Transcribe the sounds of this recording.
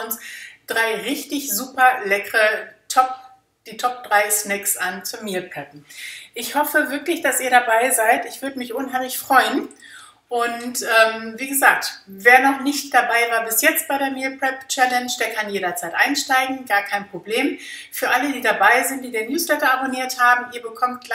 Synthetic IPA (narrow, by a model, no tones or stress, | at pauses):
ʊnsd̥ʁaɪʁɪçtɪçzuːpɐlɛkəʁətʰɔp̚ | d̥iːtʰɔp̚d̥ʁaɪsnɛksant͡sʊmiːɐpʰɹ̥ɛp̚m̩ʔɪçhɔfəvɪɐklɪçd̥asʔiːɐɾabaɪzaɪtɪçv̥ʏɐdəmɪçʔʊnɦaɪmlɪçfʁ̥ɔʏən | ʔʊntʔɛːmviːɡəzaːk̚tveːɐnɔχnɪçt̚d̥abaɪvaːɐbɪsjɛt͡st̚b̥aɪɾeːɐmiːpɹ̥ɛpt͡ʃɛlɛnʃd̥eːɐkʰanjeːɾɐt͡saɪtʔaɪnʃtaɪɡŋ̩ɡaːɐkʰaɪnpʁ̥obleːmfyːɐʔalədiːdabaɪzɪntd̥iːdeːnjuːslɛtɐʔaboniːɐthaːbm̩ʔiːɐbəkʰɔmt̚ɡ̥